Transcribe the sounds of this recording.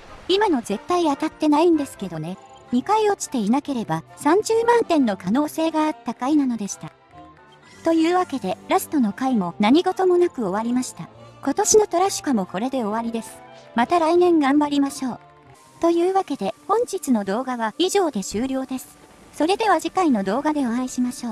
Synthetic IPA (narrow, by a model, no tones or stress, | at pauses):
imano̞ze̞t̪ːaiat̪at̪ːe̞naĩnd̪e̞sɨ̥ke̞d̪o̞ne̞ɲ̟ikaio̞t͡ɕi̥t̪e̞inake̞ɾe̞basãɲ̟d͡ʑɨːmãnt̪ẽ̞nːo̞kano̞ːse̞ːɡaːt̪ːakainano̞d̪e̞ɕi̥t̪a | t̪o̞jɯ̟ːβake̞d̪e̞ɾasɨ̥t̪o̞no̞kaimo̞naɲ̟iɡo̞t̪o̞mo̞nakɯ̟o̞βaɾʲimaɕi̥t̪ako̞t̪o̞ɕino̞t̪o̞ɾaɕi̥kamo̞ko̞ɾe̞d̪e̞o̞βaɾʲid̪e̞sɨ̥mat̪aɾainẽ̞ŋɡãmbaɾʲimaɕo̞ː | t̪o̞jɯ̟ːβake̞d̪e̞hõ̞ɲ̟d͡ʑit͡sɨno̞d̪o̞ːɡaβaiʑo̞ːd̪e̞ɕɨːɾʲo̞ːd̪e̞sɨ̥ | so̞ɾe̞d̪e̞β̞aʑikaino̞d̪o̞ːɡad̪e̞oãiɕimaɕo̞ː